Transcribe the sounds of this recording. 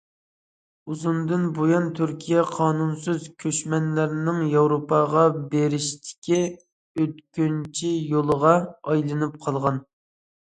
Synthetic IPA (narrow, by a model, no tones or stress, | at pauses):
uzund̪ɨnbojɑnt̪ʰyɾkʲʰijɛqʰɑːnunsyzkʲʰøʃmɛnlæɾnɪŋjɑwɾopʰɑʁɑbeɾɪʃt̪ʰɪ̥kʲʰi | øt̪kʲynt͡ʃʰijolˠəʁɑɑjlˠɨnɨp̚qʰɑlˠʁɑn